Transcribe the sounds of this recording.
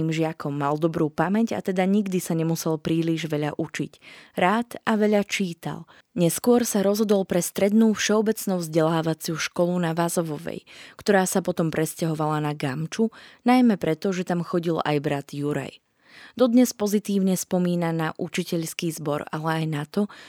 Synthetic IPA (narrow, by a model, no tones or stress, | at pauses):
iːmʒɪakʰɔmːald̪ɔbɾuːpamɛɟa̰t̪ɛd̪aɲiɡd̪isaɲɛmusɛlpɾiːliʒʋɛʎa̰ʔut͡ʃḭcɾaːt̪aʋɛʎat͡ʃiːt̪a̰l | ɲɛskʊɔɾsaɾɔzɦɔd̪ɔlˠpɾɛst̪ɾɛd̪nuːfʃɛɔbɛt͡snuvzɟɛlaːʋat͡sɪuʃkɔlunaʋazɔʋɔʋɛ̰jkt̪ɔɾaːsapɔt̪ɔmpɾɛscaɦɔʋalanaɡamt͡ʃunajmɛpɾɛt̪ɔʒɛt̪amxɔɟila̰jbɾad̪̥juɾa̰j | d̪ɔd̪ɲɛspɔzit̪iːʊɲɛspɔmiːnanaʔut͡ʃicɛʎskiːzbɔɾalɛajnat̪ɔ